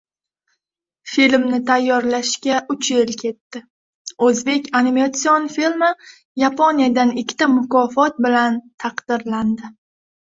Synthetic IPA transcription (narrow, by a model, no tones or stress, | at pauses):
filmnɪt̪ʰajːɒɾlaʃkʲaʔʊt͡ʃʰelkʲʰe̞t̪ːɪ | ɵzbe̞kʲanimat̪sijonfilma | japʰonijad̪anɪkʲʰːɪ̥t̪amʊkɒfɒt̪̚bɪlant̪ʰɑqd̪̥ɪɾland̪ɪ